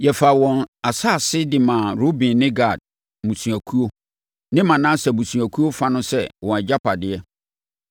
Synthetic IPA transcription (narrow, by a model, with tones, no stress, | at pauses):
jɛ˨fa˨wɔ̃˨na˨sa˦˨sɪ˦dɪ˨mã˨ɾo˦bĩ˨nɪ̃˦ɡa˦˨d̥̚ | mũ˨sũ˨æ˨kʰu˦o˦ | nɪ̃˦mã˨nã˦sɛ˨bũ˨sũ˨æ˨kʰu˦o˦fa˦nʊ̃˦sɛ˦wɔ̃˨ɛ˨d͡ʑa˦pʰa˨dɪ˦ɛ˦